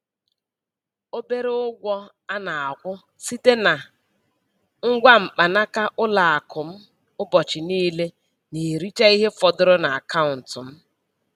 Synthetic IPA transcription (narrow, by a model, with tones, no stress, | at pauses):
o˦be˦ɾe˦ʊ˦ɡʷɔ˦ | a˦na˨a˨kʷʊ˦ | si˦te˦na˨ | ŋ̩˦ɡʷa˦m̩˨k͡pa˨na˦ka˦ʔʊ˦la˨a˨kʊ˨m̩˦ | ʊ˦bɔ˨t͡ʃɪ˨niː˦le˦ | ni˨ɾi˦t͡ʃa˦i˦ɦe˦fɔ˨dʊ˦ɾʊ˦na˨a˨ka˦ʊ˨n̩˨tʊ˨m̩˦